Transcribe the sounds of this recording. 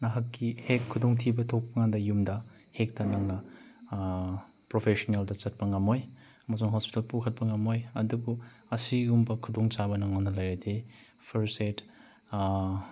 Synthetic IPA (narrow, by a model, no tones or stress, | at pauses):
nɐɦakːihekʰːudoŋtʰibɐtʰok̚pɐŋandɐjumdɐ | hek̚tɐnɐŋnɐ | pɾopʰesoneldɐt͡ʃɐt̚pɐŋɐmoj | ɐmɐsuŋɦospi̥talpukʰɐt̚pɐŋɐmojɐdubuɐsiɡumbɐkʰudoŋt͡ʃabɐnɐŋanɐlɐjɾade | pʰɐɾset